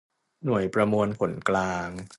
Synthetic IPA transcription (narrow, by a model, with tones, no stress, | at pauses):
nu˨˩əjpɾa˧mu˧ənkʰo˨˩˦nklaː˧ŋ